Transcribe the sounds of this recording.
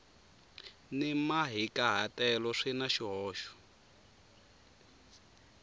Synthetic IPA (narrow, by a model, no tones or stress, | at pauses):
nimaɦikaɦatʼɛlɔʂinaʃiɦɔːʃɔ̥